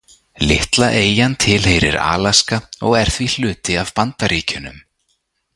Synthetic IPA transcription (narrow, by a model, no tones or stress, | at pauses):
lɪht̪laʔeːjant̪ʰɪlhejɾɪ̰ɾa̰ːlaskaɔɣɛɾ̥θvil̥ʏːt̪ɪav̥pant̪aɾiːcʏnʏ̰m